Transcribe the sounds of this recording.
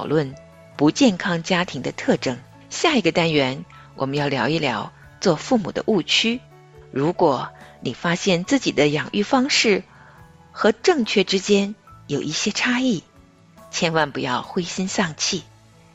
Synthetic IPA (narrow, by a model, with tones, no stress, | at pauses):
ʊlwə˥˩n | pu˧˥t͡ɕjɛ˥˩nkʰɑ˥ŋt͡ɕja˥t̪ʰi˧˥ŋd̪ə˧t̪ʰɤ˥˩ʈ͡ʂɤ˥˩ŋ | ɕja˥˩i˧˥ɡə˧t̪a˥nɥɛ˧˥n | wʔɔ̰˨˩mə˦njɑ˥˩ʊljɑ˧˥ʊi˥˩ljɑ˧˥ʊ | t͡swɔ˥˧fu˥˩mṵ˨˩d̪ə̰˦ʔu˥˩t͡ɕʰy˥ | ɻu˧˥kwɔ˨˩˦ni˨˩fa˥ɕjɛ˥˧nt͡sɹ̩˥˩t͡ɕi˨˩d̪ə˦jɑ˨˩ŋʔy˥˩fɑ˥ŋʂɻ̩˥˩ | xɤ˧˥ʈ͡ʂɤ˥˩ŋt͡ɕʰɥɛ˥˩ʈ͡ʂɻ̩˥t͡ɕjɛ˥njo˨˩ʊʔi˥˩ɕjɛ˥ʈ͡ʂʰa˥i˥˩ | t͡ɕʰjɛ˥nwa˥˩npu˧˥jɑ˥˩ʊxwe˥ɪɕi˥nsɑ˥˧ŋt͡ɕʰi˥˩